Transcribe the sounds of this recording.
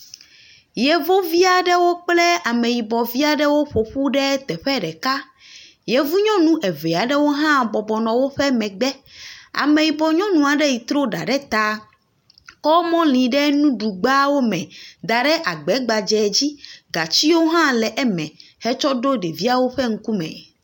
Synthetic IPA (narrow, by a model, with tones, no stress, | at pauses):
jɛ˨vo˦vi˦a˨ɖɛ˦wo˦k͡plɛ˦a˨mẽ˨ji˨bɔ˨vi˦a˦ɖɛ˦wo˦ɸo˨ɸu˦ɖɛ˦t̪ɛ˨ɸɛ˦ɖɛ˨ka˦ | jɛ˨vu˦ɲɔ̃˦nũ˦ʔɛ˨ve˨a˨ɖɛ˦wo˦ɦã˦bɔ˨bɔ˨nɔ̃˨wo˦ɸɛ˦mɛ̃˨ɡ͡bɛ˦a̰˨me˨ji˨bɔ˨ɲɔ̃˦nũ˨a˨ɖɛ˦ji˨t̪ɾo˦ɖa̰˨ɖɛ˦t̪a˦ | kɔ˦mɔ̃˦lĩ˨ɖɛ˦nũ˦ɖu˨ɡ͡ba˦wo˦mɛ̃˨d̪a˨ɖɛ˦ʔa˨ɡ͡bɛ˨˦ɡ͡ba˨d͡ʒɛ˨d͡ʑi˦ɡa˨t͡ɕi˦wo˦ɦã˦lɛ˨ʔɛ˦mɛ̰̃˨ | hɛ˦t͡ʃɔ˦ɖo˦ɖe˨vi˦a˨wo˦ɸɛ˦ŋ̩˦ku˦mɛ̰̃˨